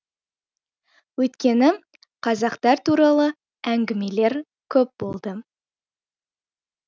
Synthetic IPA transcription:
wɵjt̪kʲe̞nɪ | qʰɑzɑqt̪ɑɾt̪ʰuɾɑlˠə | æŋɡʲɪme̞le̞ɾ | kʲʰɵp̚bo̞lˠd̪ə

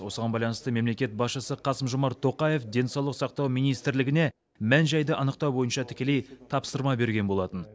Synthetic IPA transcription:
wo̞səʁɑnbɑjlˠɑnəst̪əme̞mle̞kʲe̞t̪̚bɑsʃəsəqʰɑsəmʒomɑɾt̪ʰo̞qɑje̞fd̪e̞nsɑwlˠəqsɑq̚t̪ɑwmijnijst̪ɾlɪɡʲɪne̞ | mænʒɑjd̪əʔɑnəqt̪ɑwbo̞jənʃɑt̪ʰɪ̥kʲe̞le̞jt̪ʰɑpsəɾmɑbe̞ɾɡʲe̞nbo̞lˠɑt̪ən

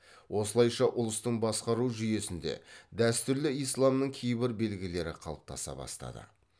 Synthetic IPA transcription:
wʔo̞səlˠɑjʃɑʔʊlˠəst̪əɴbɑsqɑɾuʒʏje̞sɪnd̪e̞̰d̪æst̪ʏɾlɪijslˠɑmnəɴkʲʰejbɪɾbe̞lɡʲɪle̞ɾɪqʰɑ̰lˠəp̚t̪ʰɑsɑ̰bɑ̰st̪ɑ̰d̪ə̰

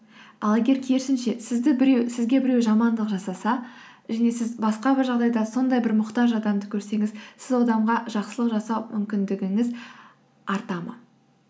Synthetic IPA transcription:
ɑlˠeɡʲe̞ɾkʲʰeɾsɪnʃe̞sɪzd̪ɪbɪɾewsɪzɡʲe̞bɪɾe̞wʒɑmɑnd̪əqʒɑsɑsɑ | ʒæne̞sɪzbɑsqɑbɪɾʒɑʁd̪ɑjd̪ɑso̞nd̪ɑjbɪɾmʊqt̪ɑʒɑd̪ɑmd̪əkʲʰɵɾse̞ŋɪzsɪzwod̪ɑmʁɑʒɑqsəlˠəqʒɑsɑwmʔʏmkʲɪnd̪ɪɡʲɪŋɪz | ɑɾt̪ɑmə̰

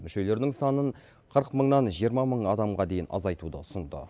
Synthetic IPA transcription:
mʏʃe̞le̞ɾd̪ɪŋsɑnəɴ | qʰəɾqməɴnɑnʒijəɾmɑməɴɑd̪ɑmʁɑd̪e̞jɪnʔɑ̰zɑjt̪ud̪ə̰ʊsənd̪ə̰

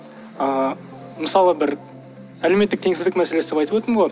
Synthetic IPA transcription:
ə | məsɑlˠəbɪɾ | æle̞met̪ːɪk̚t̪ʰe̞ŋsɪzd̪ɪkmæseesd̪epɑjt̪əpot̪ɾəmʁoj

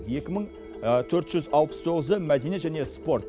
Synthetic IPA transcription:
je̞kʲɪməɴ | t̪ʰɵɾt̪ʒʏzɑlˠpə̥st̪ʰo̞ʁəzəmæd̪eneʒæne̞spo̞ɾt̪

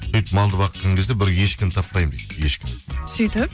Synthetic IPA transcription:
syjt̪mɑlˠd̪əbɑqət̪ːʰəŋɡʲɪzd̪ebɪɾjeʃkʲɪmt̪ʰɑpːɑjmd̪ejt̪je̞ʃkʲɪmsʏjt̪ɪp̚

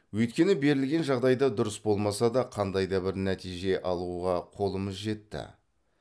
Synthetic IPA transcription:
wɵjt̪kʲe̞nɪbe̞ɾɪlɡʲe̞nʒɑʁd̪ɑjd̪ɑd̪ʊɾəsbo̞lˠmɑsɑd̪ɑqʰɑnd̪ɑjd̪ɑbɪɾnæt̪ijʒe̞ʔɑlˠuʁɑqʰo̞lˠəməzʒe̞t̪ːɪ̰

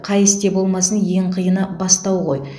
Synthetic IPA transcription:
qʰɑjɪst̪e̞bo̞lˠmɑsənje̞ɴqʰəjənəbɑst̪ɑwʁo̞̰j

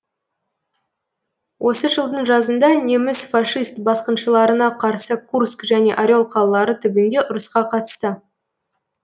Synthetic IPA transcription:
wʔo̞səʒəlˠd̪əɴʒɑzənd̪ɑne̞mɪzfɑʂist̪bɑsqənʃəlˠɑɾənɑqʰɑɾsəkʰurskʒæne̞ʔaɾʲeo̞lˠqʰɑlˠəlˠɑɾət̪ʰʏbɪnd̪e̞ʔʊɾəsqɑqʰɑt̪ə̥st̪ə

